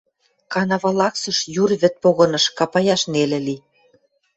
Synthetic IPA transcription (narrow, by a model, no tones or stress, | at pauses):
kɑnɑβɑlɑksɤ̆ʃjurβɘ̆t̪̚poɣɤ̆nɤ̆ʃkɑpɑjɑʃnelĕli